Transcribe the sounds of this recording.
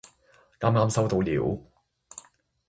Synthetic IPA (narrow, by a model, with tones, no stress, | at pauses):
ŋaː˥mŋaː˥msɐ˥wt̪o˧wliː˨˥w